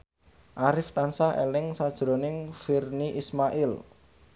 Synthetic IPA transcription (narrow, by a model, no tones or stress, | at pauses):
ʔaɾɪft̪ansahḛlɪŋsad̥ʒ̥ɾonɪŋfirniʔismaʔɪl